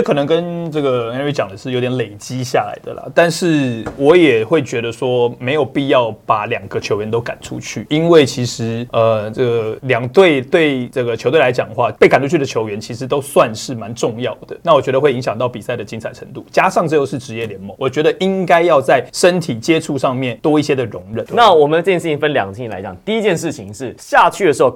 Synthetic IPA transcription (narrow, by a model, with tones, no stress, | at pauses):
kʰɤ˨nə˧˦ŋkə˦nʈ͡ʂɤ˥˩ɡə˩˨a˥n˥y˥˩t͡ɕjɑ˨˩ŋd̪ə˦ʂɻ̩˥˩jo˧˥t̪jnle˨˩ɪt͡ɕi˦˥ɕja˥˩la̰˧˥ɪd̪ə̰˨lɐ̰˨˩t̪a˥˧nʂɻ̩˥˩wɔ˧˦˥jɛ˨˩xwe˥˩ɪt͡ɕɥɛ˧˥d̪ə˧ʂwɔ˦˥me˧ɪjo˨˩ʊpi˥˧jɑ˥˩ʊpa˨˩ljɑ˨˩ŋɡə˦t͡ɕʰjo˧˥ʊɥɛ˧˦nt̪o˥ʊka̰˨˩nʈ͡ʂʰṵ˦t͡ɕʰy˥˩i˦nwe˥˩ɪt͡ɕʰi˧˥ʂɻ̩˧˥˦ə˨˩ʈ͡ʂɤ˥˩ɡə˩ljɑ˨˩ŋt̪we˥˧ɪt̪we˥˩ɪʈ͡ʂɤ˥˩ɡə˩t͡ɕʰo˧˥ʊt̪we˥˩la˧˥ɪt͡ɕjɑ˨˩ŋxwa˥˧˩pe˥˩ɪka˨˩nʈ͡ʂʰu˥t͡ɕʰy˥˩ə˨t͡ɕʰjo˧˥ʊɥɛ˧˥nt͡ɕʰi˧˥ʂ̬ɻ̩˧˥t̪o˥ʊswa˥˧nʂɻ̩˥˩ma˧˦nʈ͡ʂʊ˥˧ŋjɑ˥˩ʊd̪̥ə˩na˥˩wɔ˨˩t͡ɕɥɛ˧˦d̪ə˧wɪi˧ŋɕjɑ˨˩ŋt̪ɑ˥˩ʊpi˨˩sa˥˩ɪd̪ə˩t͡ɕi˥nt͡sʰa˨˩ɪʈ͡ʂʰə˧˥ŋt̪u˥˩t͡ɕja˥ʂɑ˥˧ŋʈ͡ʂ̩˥˧jo˥˧ʊʂɻ̩˥˩ʈ͡ʂɻ̩˧˥jɛ˥˩ljɛ˧˥˦nmo˧˥ŋwɔ˨˩t͡ɕɥɛ˧˥d̪ə˧ʔi˦˥ŋka˥ɪjɑ˥˧ʊt͡sa˥˩ɪʂə˦˥nt̪ʰi˨˩t͡ɕjɛ˥ʈ͡ʂʰu˥˧ʂɑ˥˧ŋmjɛ˥˩nt̪wɔ˥i˥˩ɕjɛ˥d̪ə˨ɻʊ˧˥ŋɻə˨˩˦nna˥˨wɔ˨˩mən˧˥˩jɛ˥˧˩ʂ̩˥˩i˩˧fə˦nljɑ˨ŋ̩˩˥˩la˧ɪt͡ɕjɑ˨˩ŋt̪i˥˧i˦˥t͡ɕjɛ˥˧nʂ̬ɻ̩˥˩t͡ɕʰi˨˩ŋʂɻ̩˥˩ɕja˥˧t͡ɕʰy˥˩də˩ʂɻ̩˧˥xo˧˩